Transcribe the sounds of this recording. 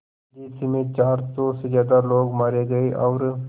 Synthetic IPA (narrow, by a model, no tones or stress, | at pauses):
d̪isimet͡ʃaːɾsosezjaːd̪aloːɡmaɾeɡəiʔawɾ